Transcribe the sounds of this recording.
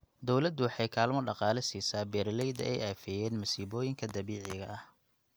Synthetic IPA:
d̪ɔwlɐd̪ʊwɑħɑjkʰaːlmɔɖɑqɑːlɛsiːsaːbɛːɾlɛjd̪ɐ̰ʔɛjaːfɛjɛːnmɐsiːβɔːjɪŋkʰɐd̪ɐβiːʕɪɣɐʔɐh

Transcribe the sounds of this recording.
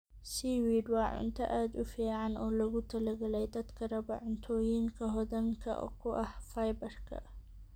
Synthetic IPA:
siːwiːd̪waːʕʊ̰nt̪ɐʔad̪ʊfeːʕanɔlɐɡʊt̪ʰːɐlɐɡɐlɐjd̪ɐt̪kʰɐɾɐbɐʕʊnt̪ʰojiŋkɐɦɔd̪ɐŋkʰɐ̰ʔɔ̰kːʊʔɐhfajbɐɾkʰɐ̰ʔ

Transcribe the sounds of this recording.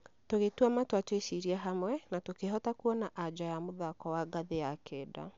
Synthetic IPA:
toɣetwɔmatwatwesiɾiɛɦamwɛnatokeɦɔtakuɔnaʔad͡ʑajamoðakɔwaɡaðejakʰɛːda̰

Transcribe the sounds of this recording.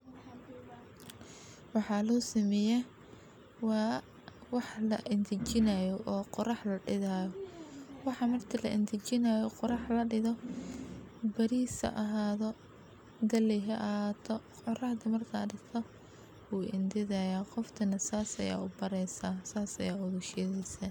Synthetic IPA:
wɑħɑːlɔːsɪmɛjɛ | wɑː | wɑħlɐ̰ʔɪnt̪ʰɪt͡ʃɪnɐjɔʔɔːqɔrɑħlɐɖɪðajɔwɑħɑmɐrt̪ʰɪlɐ̰ʔɪ̰nd̪ʰɪt͡ʃɪnɐjɔqɔɾɑħlɐɖɪðɔ | bɐɾiːsɐ̰ʔɐɦaːðɔ | d̪ɐlɛɦɐʔɐhaːt̪ʰɔ | qɔrɑhd̪ɐmɐrkʰaɖɪɡt̪ʰɔ | wuːʔɪ̰nd̪ɪðɐjaːqɔft̪ʰɐnɐsaːsɐ̰ja̰ːʊbɐɾɛjsaːsaːsɐ̰jaːʊðʊʃɛːðɛjsɐ

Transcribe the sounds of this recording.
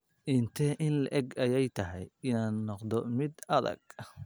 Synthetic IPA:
ʔɪnt̪ʰɛʔɪnlɐʔɛɡɐjɛjt̪ʰɐɦɛjɪnaːnːɔqd̪ɔmɪd̪ɐðɐ̰ɡ̥̚

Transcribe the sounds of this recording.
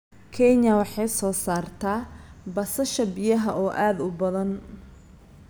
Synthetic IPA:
kʰɛnɐwɑħɑjsɔːsaːrt̪ʰaːbɐsɐʃɐbɪjɐɦɐʔɔːʔaːd̪ʊbɐðɐn

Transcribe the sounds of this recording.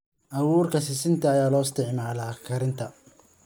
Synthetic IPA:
ʔɐwuːrkʰɐsɪsɪnt̪ʰɐːjaːlɔːɪst̪ʰɪʕmaːlɐkʰɐɾɪnt̪ʰɐ

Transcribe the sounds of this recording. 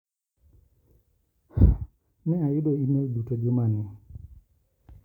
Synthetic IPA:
mɛajʊdoineldutod͡ʒʊmanɪ

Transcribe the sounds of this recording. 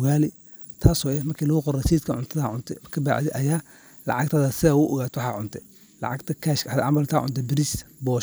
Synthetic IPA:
waːlɪ | t̪ʰaːsɔːɛmɐrkʰiːlɔɣʊqɔrɐt͡ʃiːt̪kʰɐʕʊ̰nt̪ʰɐðaʕʊnt̪ʰɛkʰɐba̰ːʕðɛʔɐjaː | lɑ̰ʕɑɡ̚t̪ʰɐðɐsɪɐwʊʔɔɣaːt̪ʰwħɑːʕʊnt̪ʰɛ | lɑ̰ʕɑɡt̪ʰɐkʰaʃkʰɐħad̪ʔa̰mbɐlt̪ʰa̰ːʕʊ̰nt̪ʰɛbɪɾisbɔːʃ

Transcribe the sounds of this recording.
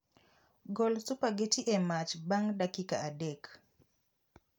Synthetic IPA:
ɡɔlsʊpaɡetiʔɛmat͡ʃbaŋdakika̰adɛk

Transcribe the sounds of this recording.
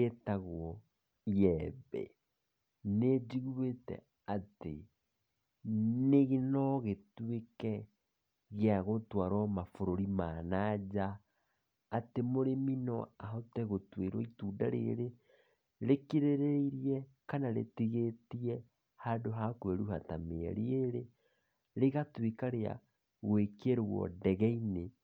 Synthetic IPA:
etaɣwɔ | iɛbɛ̰ | ned͡ʒiɣuetɛ̰ | ate | neɣenɔɣetuekɛ | ɣeaɣotwaɾɔmafoɾoɾimaːnad͡ʑaː | temoɾeminɔaɦotɛɣotweɾwɔituːdaɾḛɾe | ɾekiɾeɾeiɾiɛ | kanaɾḛtiɣetiɛ | hadoɦakwɛɾuhata̰mḛɛ̰ɾeeɾe | ɾeɣatwekaɾea̰ | ɣwekeɾoɣwɔ̰dɛɣɛine

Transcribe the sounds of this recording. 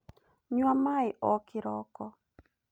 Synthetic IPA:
ɲwamaɪʔɔkɪɾɔkɔ

